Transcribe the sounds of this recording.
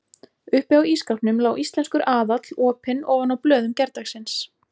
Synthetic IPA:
ʏhpɛawiskawpnʏmlaːwʔist̪lɛnskʏɾʔaːðat̪lɔːpɪnɔːɣvanawplœːðʏmcɛɾt̪axsɪns

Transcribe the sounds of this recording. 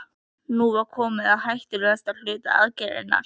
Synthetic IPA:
nuvaɾ̥kʰɔːmɪðaðhajht̪ɪlʏast̪al̥ʏːt̪a̰a̰ðcajðɪ̰nːa̰ɾ̥

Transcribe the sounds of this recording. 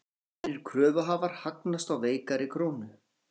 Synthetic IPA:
ɪɾ̥kʰɾœːvʏɦaːvaɾ̥haknast̪awveːjkaɾɪkʰɾoːwnʏ

